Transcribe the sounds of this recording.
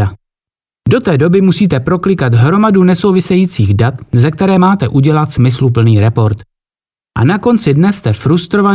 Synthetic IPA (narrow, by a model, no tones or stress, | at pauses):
a | do̞t̪ɛːdo̞bɪmusiːt̪ɛpɾo̞klɪkat̪ɦɾo̞madunɛso̞wvɪsɛjiːt͡siːɣdat̪zɛk̚t̪ɛɾɛːmaːt̪ɛʔuɟɛlat̪smɪslup̬l̩niːɾɛpo̞ɾt̪ | ʔa̰nako̞nt͡sɪdnɛst̪ɛfɾust̪ɾo̞va